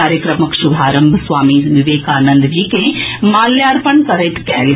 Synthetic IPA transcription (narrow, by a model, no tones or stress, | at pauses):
aːɾjəkɾəməkʃubʱaːɾəmbʱsʋaːmiʋɪʋeːkaːnɐ̃nd̪d͡ʒiːkẽmaːlːjaːɾpəɳkɐɾet̪kɛːl